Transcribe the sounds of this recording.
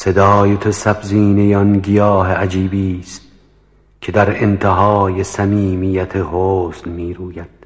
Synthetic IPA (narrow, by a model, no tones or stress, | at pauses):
se̞d̪ɒːjet̪ʰosæbziːnejɒnɡijɒːɦeæd͡ʒiːbiːst̪̚ | kʰe̞d̪æɾent̪ʰeɦɒːjesæmiːmijæt̪ʰehoːsnmiːɾuːjæd̪̥